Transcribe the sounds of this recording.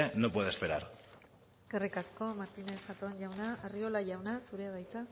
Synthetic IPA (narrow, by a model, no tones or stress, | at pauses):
eno̞pwe̞ðespe̞ɾa̰ɾ | eskerikasko̞maɾt̪ine̞sʝat̪oanʝawnaʔario̞laʝawnasuɾe̞aðajt͡sa